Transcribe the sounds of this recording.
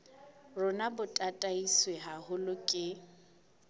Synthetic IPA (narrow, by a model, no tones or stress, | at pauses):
rʊnabʊtʼatʼaisweɦahʊlʊkʼɪ